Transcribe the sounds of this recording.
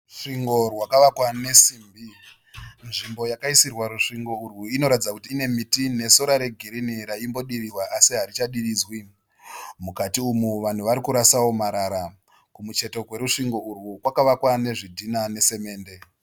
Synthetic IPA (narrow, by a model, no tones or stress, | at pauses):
ʂiŋɡo̞rwakaʋakwane̞siːmbi | nʐimbo̞jakaisirwaɾuʂiŋɡo̞urwuino̞ɾatid͡zakutiːne̞mitine̞so̞ɾaɾe̞ɡʱiɾiniɾaimbo̞ɗirirwaʔasiɦaɾit͡ʃaɗiɾiːd͡zwi | mukatiumuʋan̤uʋaɾikuɾasawo̞maɾaɾa | kumut͡ʃe̞to̞ɡwe̞ɾuʂiŋɡo̞urwukwakaʋakwane̞ʐidʱinane̞se̞me̞ːnde̞